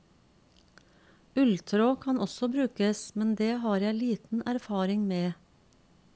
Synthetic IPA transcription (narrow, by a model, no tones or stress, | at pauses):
ʉlt̪ʰɾoːkʰɑnʔɔsɔbɾʉːkəsmɛnd̪eːhɑːɾjæɪliːt̪n̩æɾfɑːɾɪŋmeː